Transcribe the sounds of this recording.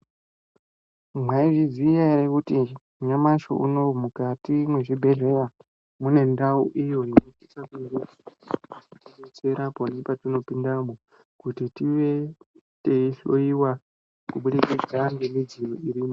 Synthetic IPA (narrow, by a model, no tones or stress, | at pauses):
mwaiʐizijaɾekuti | ɲamaʃo̰ʔṵno̞mukatimweʐibʱe̞ɮe̞ra | mune̞ndauʔijo̞nonoitisakuŋɡuuatinot͡se̞ɾaponepatino̞pindamo | kutitiʋe̞ | te̞iɬoiwa | kuɓuɗeked͡zaŋɡemid͡ziroiɾiːmo